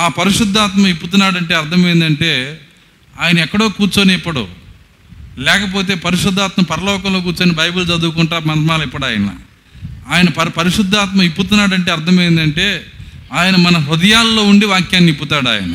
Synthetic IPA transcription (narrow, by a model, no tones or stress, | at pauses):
aːpɐɾiʂud̪ʱːaːt̪mɐmipːut̪unːaːɽɐɳʈeːɐɾt̪ʰɐmɐjind̪ɐɳʈe̞ː | aːjɐnɐɛkːɐɽo̞ːkuːɾt͡ʃoːneipːɐɽṵ | lɛːkɐpo̞ːt̪̬e̞ːpɐɾiʂud̪ʱːaːt̪mɐmpɐɾɐlɔːkɐmloːk̬uːɾt͡ʃoːnibɐjbult͡ʃɐd̪uukuɳʈaːmɐmaːlipːɐɽaːjɐnɐ̰ | aːjɐnɐpɐpɐɾiʂud̪ʱːaːt̪mɐmipːut̪unːaːɽɐɳʈeːɐɾt̪ʰɐmɐjind̪ɐɳʈe̞ːaːjɐnɐmɐnɐɾud̪ɐjaːlːo̞ːuɳɖiʋaːkjaːnːipːut̪aːɽa̰ːjɐ̰nɐ